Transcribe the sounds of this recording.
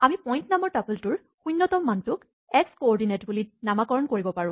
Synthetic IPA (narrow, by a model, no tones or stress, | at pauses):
amipɔjntnamɔɹtapultʊɹ | xujnːɔtɔmːantʊk | ɛkskoɔɹdinetbulinamakɔɹɔnkoɹibɔpaɹʊ̃